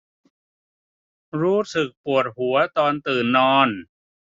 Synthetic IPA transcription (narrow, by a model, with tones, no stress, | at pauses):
ɾuː˦˥sɯ˨˩k̚pu˨˩ət̪̚hu˩˦ɐt̪ɔː˧nt̪ɯː˨˩nːɔː˧n